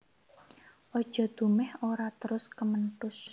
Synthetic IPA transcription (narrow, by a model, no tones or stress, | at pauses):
ʔɔd̥ʒ̥ɔ̤d̪̥ṳmɛhoɾat̪əɾʊskəmənʈʊs